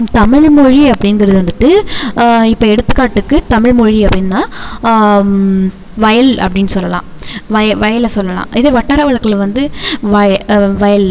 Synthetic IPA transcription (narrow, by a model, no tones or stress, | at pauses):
t̪ɐmɪɭmɔɻiɐpːɐɽɪnɡɐɾɐðɯʋɐnd̪ɯʈːɯ | ɪpːoːɛɽɯt̪ːɯkːaːʈːɯkːɯt̪ɐmɪɻmɔɻiɐpːɐɽɪnːnaː | ʋɐjɐlɐ̰pːɐɽɪnːɯsɔlːɐlã̰ːʋɐjɐʋɐjɐlɐsɔlːɐlã̰ːʔɪðeːʋɐʈːɐːɾɐʋɐɻɐkːɯlʋɐnd̪ɯʋɐjʋɐjɐl